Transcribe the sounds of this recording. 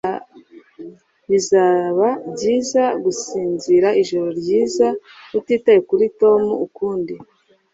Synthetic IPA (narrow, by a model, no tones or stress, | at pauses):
βizaβabɟiːzaɡusiːnziɾaiʒoɾo̞ɾɟiːzautiːtajekuɾito̞muːkuːndi